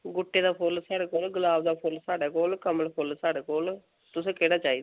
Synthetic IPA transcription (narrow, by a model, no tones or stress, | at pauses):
ɡʊʈːeːd̪aːpʰʊlsaːɽeːkoːlɡəlaːbd̪aːpʰʊlsaːɽeːkoːlkəməlpʰʊlsaːɽeːkoːl | t̪ʊsẽːkeːɽaːt͡ʃaːiːd̪